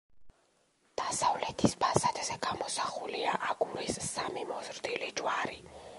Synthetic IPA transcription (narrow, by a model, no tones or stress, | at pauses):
d̪̥asavlɛt̪ʰispʰasad̪zɛɡ̥amɔsaχuliaʔaɡuɾissamimɔzɾd̪ilid͡ʒwaɾi